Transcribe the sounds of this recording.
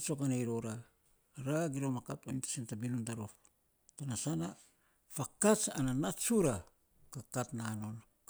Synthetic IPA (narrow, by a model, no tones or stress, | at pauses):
t͡ʃo̞kanejɾoɾa | ɾaɡiɾomakatojntḁsintabinondaɾof | tanasana | fakat͡ʃananatsuɾa | kakatnano̞n